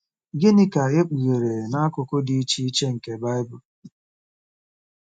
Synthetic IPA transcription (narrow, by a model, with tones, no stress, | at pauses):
ɡɪ˦nɪ˦ka˨ɣe˦k͡pu˨ɣe˨ɾe˨na˦kʊ˨kʊ˦di˦i˦t͡ʃi˦i˦t͡ʃe˦ŋ̩˨ke˨ba˦ɪ˦bʊ˨